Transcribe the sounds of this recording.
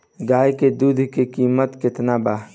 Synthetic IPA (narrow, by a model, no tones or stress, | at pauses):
ɡaːjked̪ud̪ʱkekiːmət̪kɪt̪naba